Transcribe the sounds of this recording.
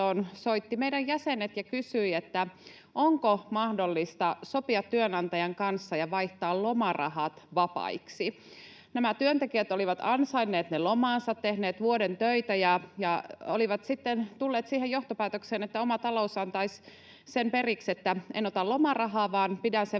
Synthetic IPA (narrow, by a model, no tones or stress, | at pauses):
onsoit̪ːimeidæjjæsenet̪jɑkysyiet̪ːæ | ʔoŋkomɑhdolːist̪ɑso̞piɑt̪ːyønɑnt̪ɑjɑŋkɑnsːɑjɑʋɑiht̪ɑːllomɑrɑ̰hɑt̪ʋɑpɑ̰iksi | næmæt̪yønt̪ekiæt̪oliʋɑt̪ɑnsɑinːeːt̪nelomɑːnsɑt̪tːehneːt̪ʋuodent̪øit̪æjɑjɑo̰liʋɑt̪sit̪ːent̪ulːeːt̪siːɦejoht̪opæːt̪okseːnet̪ːæomɑt̪ɑlousɑnt̪ɑis | sempe̞rikset̪ːæenot̪ɑlo̞mɑrɑɦɑːʋɑːnpidænse